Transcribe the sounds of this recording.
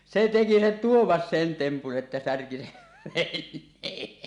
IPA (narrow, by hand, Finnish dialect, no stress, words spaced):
se teki se tuomɑs sen tempun ʔetːæ særki seʋ ʋenˑeː